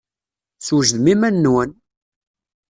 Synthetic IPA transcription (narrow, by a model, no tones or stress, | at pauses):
swʒðmimænːwən